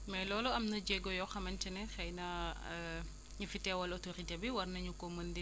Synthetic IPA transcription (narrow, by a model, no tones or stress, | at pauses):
mɛjlɔːlɔɐmnɐd͡ʒɛɡɔjɔxɐmɐnt͡ʃɛnɛxɛjnɐ | ɲufitːɛwɐlɔtoɾitɛbiwɐrnɐɲukɔməndi